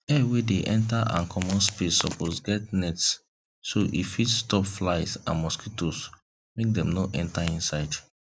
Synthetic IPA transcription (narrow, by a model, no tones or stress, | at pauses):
ɛwedeʔɛ̃ntaʔã̰nkʰɔmɔ̃nspesɔposɡɛt̚nɛtsː | oʔḭfitstɔpflaɪsã̰nmɔskitos | mek̚dɛ̃mnoʔɛ̃ntaĩnsaɪd